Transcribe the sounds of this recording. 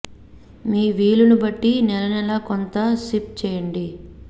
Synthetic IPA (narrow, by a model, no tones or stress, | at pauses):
miːʋiːlunubɐʈːinɛlɐnɛlaːkont̪ɐsip̚t͡ʃɛːjɐɳɖi